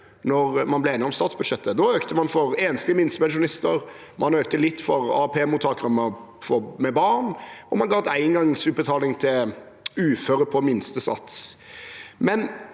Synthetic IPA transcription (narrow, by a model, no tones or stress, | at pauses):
nɔɾmɑnblɛeːnɪɔmst̪ɑːt̪sbʉd̪ʂɛt̪ːəd̪ɔøːkt̪əmɑnfɔɾeːnst̪ɪmɪnsəmɛʃ̬ʊnɪst̪əɾ | mʔɑnøːk̚t̪əlɪt̪ːfɔʁɑ̰ːpʰeːmʊt̪ʰɑːkʁɑmə | fɔmɛbɑnɔmɑnɡɑːt̪æɪnɡɑŋsʉt̪̚bət̪ʰɑːlɪŋt̪ʰɪl | ʉːføːɾəpʰɔmɪnst̪əsɑ̰t̪s | mɛn